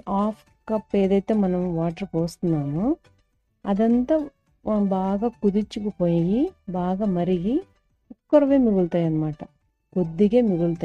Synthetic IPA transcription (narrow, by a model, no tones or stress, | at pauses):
aːpʰ | kɐpːeːd̪ɐjt̪emɐnɐʋʋaːʈɐɾpoːst̪inːaːnu | ɐd̪ɐnt̪ɐ | baːɡɐkud̪it͡ʃːukupojɡibaːɡɐmɐɾiɡi | ukːɐɾɐʋe̞ːmiɡuɭt̪aːjɐnɐmaːʈɐ | kod̪ːiɡemiɡuɭt̪a